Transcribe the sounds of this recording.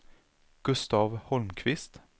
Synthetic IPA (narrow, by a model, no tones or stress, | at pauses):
ɡ̥ʉst̪ɑːʋhɔlmkʰʋɪst̪